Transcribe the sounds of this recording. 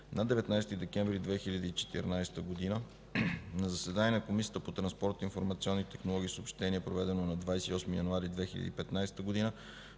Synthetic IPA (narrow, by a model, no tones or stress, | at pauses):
nad̪ɛvɛt̪najst̪id̪ɛkɛ̃ɱvɾid̪vɛxiʎʲəd̪iːt͡ʃɛ̥t̪ḭɾnajst̪əɡod̪inə | nɐzɐsɛd̪aniənɐkomisʲiət̪əpot̪ɾɐnspɔɾt̪infoɾmɐt̪siɔnːit̪ɛxnolˠɔɡ̟isopʃt̪ɛniəpɾovɛd̪ɛnonɐd̪vajsɛiɔsmijɐnuaɾid̪vɛxilə̰d̪iːpɛt̪najsɛ̥t̪əɡod̪inə